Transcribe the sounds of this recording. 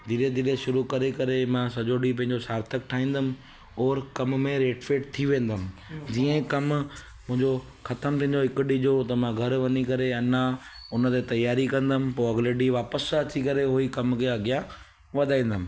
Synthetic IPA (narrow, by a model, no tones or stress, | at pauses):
d̪ʱiɾed̪ʱileʃʊɾukɐɾekɐɾemãsɐd͡ʑoːɖip̬ɐ̃ɦɪ̃ɲd͡ʑosaːɾt̪ʰəkʈʰaːĩːnd̪əmɪ̆ | ɔːɾkɐmmẽɾeːʈfeːʈt̪ʰiʋẽːn̆d̪əmɪ̆d͡ʑiːə̃kɐm | mʊ̃ɦɪ̃ɲd͡ʑo | xɐt̪əmt̪ʰĩːnd͡ʑoɪkʊɗid͡ʑot̪ɐmãɡʱɐɾʋɐnikɐɾeɐnã | ʊnət̪et̪ɐjaːɾikɐ̃nd̪əmɪ̃̆poɐɡleɖiʋaːpəsɐt͡ɕikɐɾeɦʊikɐmkʰeɐɡɪja | ʋɐd̪ʱaːĩːn̆d̪əmɪ̆